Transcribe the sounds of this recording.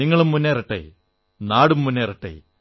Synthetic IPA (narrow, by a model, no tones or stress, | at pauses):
iŋːɐɭumːunːeːrɐʈːɐ̰j | naːɽumːunːeːrɐʈːɐ̰j